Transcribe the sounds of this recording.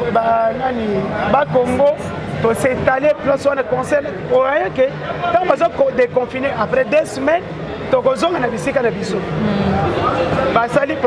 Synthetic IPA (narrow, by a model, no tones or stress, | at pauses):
bananibakoŋɡo | tosetaleplɔswanakɔ̃sɛʁoʁajake | tãbazokdekɔ̃fineʔapʁɛdesəmɛn | tokozɔŋɡanabisikanabiso | basalip